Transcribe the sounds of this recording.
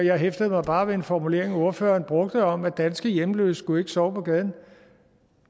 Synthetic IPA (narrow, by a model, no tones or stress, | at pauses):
jɑ̈ɪɦefd̥əð̩ˠmɑ̈ɪb̥ɑ̈ːʋe̝e̝nfɒmule̝̰ɐ̰e̝ŋæo̝ɐfø̰ːɐːnb̥ʁɔ̽ɡ̥̚d̥əɒ̽mæ̥ænsɡ̥əjemløsɡ̥ue̝ɡ̥ə̥sɒʊpʰɒ̽ɡ̥ɛðˠn̩